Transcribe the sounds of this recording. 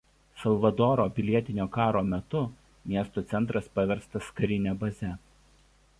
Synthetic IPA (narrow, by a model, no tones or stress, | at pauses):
sɐlˠʋɐd̪oːɾoːpʲɪlʲiɛt̪ʲɪnʲoːkɑːɾoːmʲɛt̪ʊ | mʲiɛst̪oːt̪sʲɛnt̪ɾɐspɐʋʲɛɾst̪ɐskɐɾʲɪnʲɛbɐzʲɛ